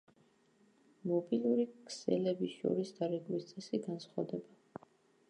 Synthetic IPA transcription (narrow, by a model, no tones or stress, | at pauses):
mɔbilˠuɾikʰsɛ̰lɛbiʃɔ̰ɾisd̪aɾɛɡwist̪sʼɛsiɡansχwavd̪ɛba